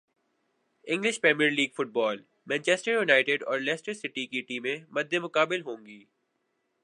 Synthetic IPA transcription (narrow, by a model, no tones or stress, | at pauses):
ɪ̃ŋɡlɪʃpɾɛːmijəɾliːɡfʊʈ̚bɔːl | mɛ̃ːnt͡ʃɛːsʈəɾjʊnaːɪʈɪɖɔ̰ːɾlɛːsʈəɾsɪʈikiʈiːmẽmɐd̪ʱːemʊkaːbɪlɦõːŋɡiː